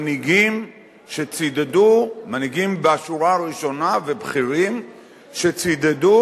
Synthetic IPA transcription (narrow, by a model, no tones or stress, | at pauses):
niɡim | ʃet͡sid̪ed̪umaniɡimbeaʃuɾaʁiʃo̞nave̞bχiʁim | ʃet͡sid̪ed̪u